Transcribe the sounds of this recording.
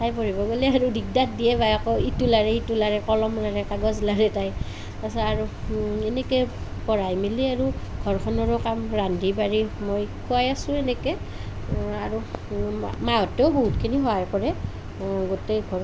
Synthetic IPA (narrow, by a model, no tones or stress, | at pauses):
tajpoɹibɔɡolɛaɹudik̚dat̚dijɛbajakɔitulaɹɛitulaɹɛkɔlɔmlaɹɛkaɡɔzlaɹɛtaj | asaɹuɛnɛkɛpɔɹajmiliaɹuɡʱɔɹkʰɔnɔɹɔkamɹandʱibaɹimojkʰuajasʊ̃ɛnɛkɛ | aɹu | maɔtːɛʊbɔɦutkʰiniɦɔaɹpɔɹɛ | ɡotɛɡʱɔ